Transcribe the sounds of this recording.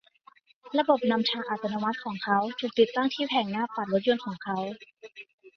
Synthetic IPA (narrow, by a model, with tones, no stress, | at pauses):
ɾa˧bo˨˩p̚na˧mt͡ɕʰaː˧ʔaː˨˩t̪ʰːa˧na˧ma˦˥t̪̚kʰɔː˩˦ŋkʰa˦˥wt̪ʰuː˨˩k̚t̪i˨˩t̪ːaː˥˩ŋt̪ʰiː˥˩pʰɛː˨˩ŋnaː˥˩paː˨˩t̪̚lo˦˥t̪̚jo˧nkʰɔː˩˦ŋkʰa˦˥w